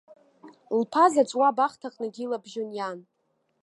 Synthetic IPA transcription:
lpʰazat͡ʃʷʼwabaχtʰaqʼnɨɡʲilabʒonjan

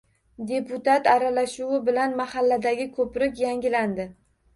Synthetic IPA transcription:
d̪e̞pʊt̪at̪aɾalaʃuwɪbɪlanmahalːad̪aɡʲɪkʰɵpɾɪkʲjaŋɡʲɪland̪ɪ

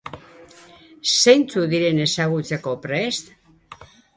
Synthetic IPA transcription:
se̞jnt͡suðiɾe̞ne̞saɣ̞ut͡se̞ko̞pɾest̪

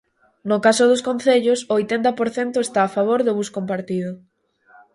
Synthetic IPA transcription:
nʊkasʊðʊskonθeʎʊsojt̪ent̪ɐpoɾθent̪ʊest̪aːfaβ̞oɾðʊβuskompaɾt̪ið̞ʊ

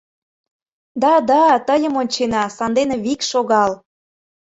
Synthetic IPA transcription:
d̪ɑd̪ɑt̪əjə̆monʲt͡ɕenɑsɑnd̪eneβikʃoɣɑl

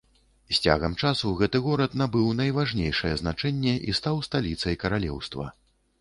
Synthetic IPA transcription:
sʲt͡sʲa̰ɣɐmt͡ʂasuɣɛt̪ɨɣɔɾɐt̪nabɨwnɐjvaʐnʲejʂɐjɛznat͡ʂɛnʲːɛʔist̪awst̪alʲit̪sɐjkɐɾalʲɛ̰wst̪vɐ̰

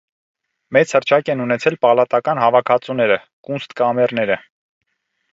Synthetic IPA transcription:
mɛt͡shəɾt͡ʃʰɑkɛnunɛt͡sʰɛlpɑlɑt̪ɑkɑnɦɑvɑkʰɑt͡sunɛɾə | kunst̪kɑmɛrnɛɾə

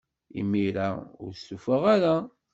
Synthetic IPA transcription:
ḭmːiɾaʊ̰ɾsufəʁaɾa

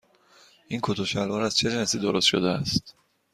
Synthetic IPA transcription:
ʔiŋkʰot̪ʰoʃælvɒɾæz̥t͡ʃʰeɾinesiːd̪oɾost̪ʃo̰d̪eæst̪

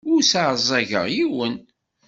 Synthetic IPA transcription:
ʊɾsaʕzˤæʝə̰ʁjiwən

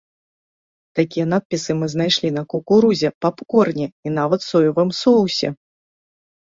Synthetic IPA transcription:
t̪akʲijɐnat̪̚pʲisɨmɨznajʂlʲinɐkukuɾuzʲɛpapkɔrnʲɛinavɐt̪sɔjuvamsɔwsʲɐ

